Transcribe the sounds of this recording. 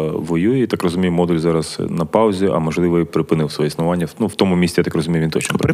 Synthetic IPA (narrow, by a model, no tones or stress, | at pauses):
ʋɔjujɛit̪ɑkrɔzʊmʲijʊmɔd̪ulʲzɑɾɐz̥nɐpɑʊzʲiʔɐ̰mɔʒlˠɪʋɔipɾɪpɪnɪwsʋɔjɛisnʊʋɑnʲːɐnuwt̪ɔmʊmʲisʲijat̪ɑkrɔzʊmʲijʊʋʲint̪ɔt͡ʃnɔpɾ